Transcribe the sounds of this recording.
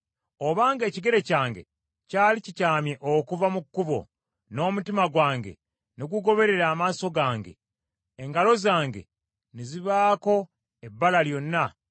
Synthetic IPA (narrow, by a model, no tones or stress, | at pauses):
o̞βaːŋɡe̞ːciɡe̞ɾe̞caːŋɡe̞̰ | caːlicicaːmjeʔokuvamukːuβo̞̰ | no̞ːmutimaɡwaːŋɡe̞̰ | niɡuɡo̞βe̞ɾe̞ɾaːmaːso̞ɡaːŋɡe̞̰ː | ŋɡalo̞zaːŋɡe̞̰ | niziβaːko̞ | ebːalaljo̞nːa